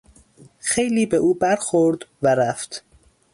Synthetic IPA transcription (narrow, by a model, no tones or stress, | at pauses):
xejliːbeʔuːbæɾxoɾd̪væɾæft̪